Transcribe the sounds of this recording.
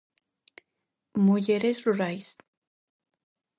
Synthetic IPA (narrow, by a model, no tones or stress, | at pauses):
mujeɾesruɾajs